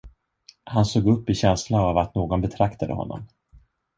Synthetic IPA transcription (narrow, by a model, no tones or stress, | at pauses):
hansoːɡɵpːɪɕɛnslaavat̪noːɡɔnbɛt̪ʰɾakt̪ʰad̪ə̰hɔ̰nːɔ̰m